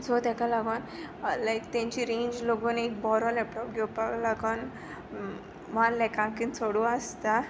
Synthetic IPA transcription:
t͡sot̪ɛkalaɡon | lajkt̪ãɲt͡ɕiɾẽɲd͡ʑloɡonekbɔɾɔlɛpʈɔpɡepaklaɡən | ʋanlɛkãŋkint͡sʰoɽuast̪a

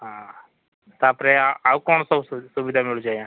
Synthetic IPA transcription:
ɦã | t̪apɾeawkɔːɳsɔsuʋid̪ʱamiɭud͡ʒaːjã

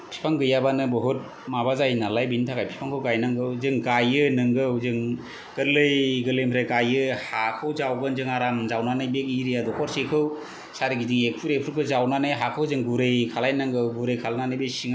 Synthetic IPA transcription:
pʰi̥pʰaŋɡɯjabanɯbɔɦut̚ | mabazajnalajbintʰakajpʰi̥pʰaŋkʰɯwɡajnaŋɡɯwzɯŋɡajɯnɯŋɡɯwzɯŋ | ɡ̥ɯɾlɯjɡɯlɯjmpʰɾajɡajɯhakʰɯwzawɡɯnzɯŋaɾamzawnanɯjbekiɾijadɔkʰɔɾsekʰɯw | saɾiɡidiŋek̚pʰuɾepʰuɾpʰɯzawnanɯjɦakʰɯwzɯŋɡuɾɯjkʰalajnaŋɡɯwɡuɾejkʰalnanɯjbesiŋ

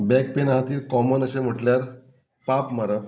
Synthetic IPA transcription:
bɛk̚penaɦat̪iːɾkɔmənəɕem̤əʈljaɾ | papmaɾə

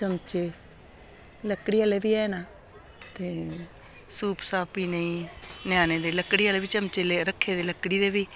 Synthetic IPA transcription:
t͡ʃəmt͡ʃeː | ləkɽiːaleːbiːɛːnaː | t̪eː | suːpsaːpiːnəĩːnjaːneːd̪eːləkːɽiːaːleːbiːt͡ʃəmt͡ʃeːleːɾəkʰːeːd̪eːləkːɽiːd̪eːbiː

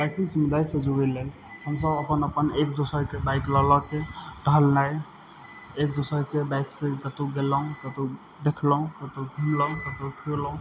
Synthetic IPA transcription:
bakĩŋsimud̪aisəd͡ʒuilel | həmsəbəpənəpənek̚d̪osəɾkebajklɔlɔkeɖəɦəlnaj | ekd̪osəɾkebajksẽɡət̪uɡeləɦũkət̪u | d̪ekʰləũkət̪uɡʱumləɦũkət̪usʰiləũ

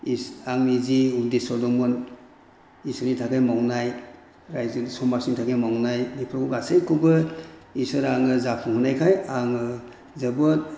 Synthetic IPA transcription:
iaŋmiziudesɔdɔmɔn | isɔnitʰakajmawnaj | ɾajzɯnisɔmasiŋtʰakʰajmawnajnipʰɾɔkʰuɡasejkʰubɯisɯɾaŋɯzapʰuŋhunajkʰajaŋɯ | zɯbɔt̚

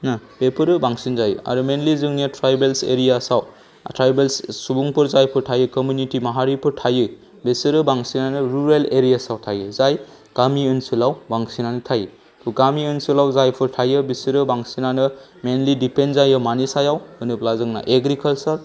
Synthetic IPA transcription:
napepʰɯɾɯbaŋsinzajɯ̰a̰ɾumenlizɯŋnitʰɾajbelsḛɾijasaw | tɾajbelssubuŋpʰɯɾzajpʰɯɾtʰajɯkɔmjunitimaɦaɾipʰɯɾtʰajɯ | bisɯɾɯbaŋsinanɯɾuɾeleɾijasawtʰajɯzaj | ɡ̥amiɯnsɯlawbaŋsinanɯtʰajɯ | tʰuɡamiɯnsulawzajpʰɯɾtʰajɯbisɯɾɯbaŋsinanɯ | menlidipenzajɯmanisajawɯnɯplazɯŋna̰ʔeɡɾikalsɐɾ

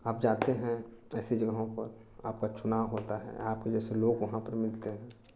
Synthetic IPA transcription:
aːp̚d͡ʒaːt̪eɦɛ̃ɛːsed͡ʒəɡɦõpəɾ | aːpkat͡ʃʰʊnaːwɦoːt̪aɦɛ̰aːpked͡ʒɛːseloːɡʋɐɦãpəɾmɪlt̪eɦɛ̃ː

